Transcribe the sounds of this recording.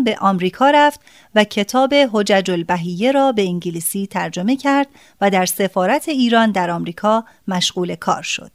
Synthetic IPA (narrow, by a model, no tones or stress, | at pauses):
be̞ʔɒːmɾiːkʰɒːɾæft̪ | væcʰe̞t̪ʰɒːbe̞ɦo̞d͡ʒæd͡ʒolbæɦije̞ɾɒːbe̞iŋɟiliːsiːt̪ʰæɾd͡ʒo̞me̞cʰæɾd̪ | væd̪æɾse̞fɒːɾæt̪ʰe̞iːɾɒːnd̪æɾɒːmɾiːkʰɒː | mæʃɣ̥uːle̞kʰɒ̰ːɾʃo̞̰d̪̥